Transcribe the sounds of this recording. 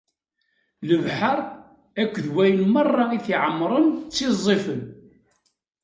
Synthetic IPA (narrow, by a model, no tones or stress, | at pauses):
ləvħəɾˤ | ækʷːðwæjənmɑrˤːɑiθiʕəmːɾˤənt͡sːizˤːifən